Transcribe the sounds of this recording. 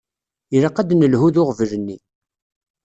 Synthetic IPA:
iɾaqːæd̪nəlɦuðʊʁvələnːi

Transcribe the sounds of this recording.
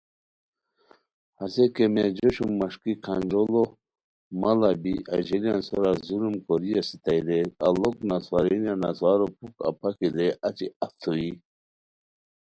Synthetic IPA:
hasekemed͡ʑoɕumːaʂkikʰand͡ʑolo | malabiʔaʑilijanso̰ɾazuɾumkoɾijasit̪ajd̪ealoknaswaɾinjana̰swaɾopuka̰pʰakid̪eʔat͡ɕiaft̪ʰui

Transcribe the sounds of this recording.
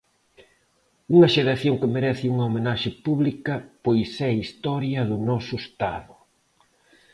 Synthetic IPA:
uŋɐʃeɾaθjoŋkɪmeɾɛθɪuŋɐomenaʃɪpuβlikɐpojsɛist̪ɔɾjɐðʊnɔsʊest̪aðʊ

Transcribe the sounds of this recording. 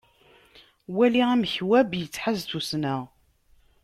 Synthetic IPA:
wæliæmçwæbjət͡sːħazθusnəʁ

